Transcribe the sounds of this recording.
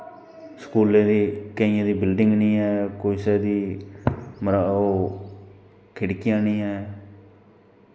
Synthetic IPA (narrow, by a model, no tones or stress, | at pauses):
skuːlẽːd̪iːkəɪːẽːd̪iːbɪlɖɪŋɡnĩːɦɛːkoisɛːd̪iː | məɾaːoː | kʰɪɽkɪjãːnĩːɛː